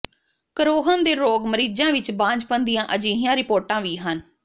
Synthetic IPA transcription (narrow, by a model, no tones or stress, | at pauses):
kəɾoːɦənd̪eːɾoːɡməɾiːd͡ʒãːʋɪt͡ʃbãːɲd͡ʒpənd̪ijãːʔəd͡ʒiːɦĩãːɾɪpoːɾʈãːʋiːɦən